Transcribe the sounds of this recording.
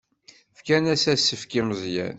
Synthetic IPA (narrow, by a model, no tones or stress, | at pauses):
fkænæsæsːəfkiməzˤjæ̰n